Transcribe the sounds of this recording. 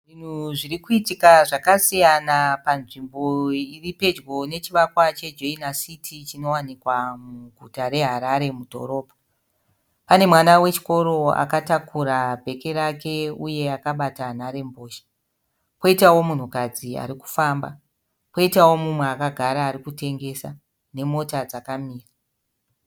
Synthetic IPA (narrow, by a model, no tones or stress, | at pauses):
ʐin̤uʐirikuitikaʐakasijanapanʐimbo̞iripe̞d͡ʒɡo̞ne̞t͡ʃiʋakwat͡ʃe̞d͡ʒoinasitʰit͡ʃino̞wanikwamuɡʱutaɾe̞ɦaɾaɾe̞mudʱo̞̰ɾo̞ːpḁ | pane̞mwanawe̞t͡ʃi̥ko̞ɾo̞a̰katakuɾabʱe̞ke̞ɾake̞uje̞akaɓatanaɾe̞mbo̞ːʃḁ | po̞itawo̞mun̤ukad͡zia̰ɾiku̥famba̰ | po̞itawo̞mumweakaɡʱaɾaːɾikute̞ŋɡe̞sa | ne̞mo̞tad͡zakamiːra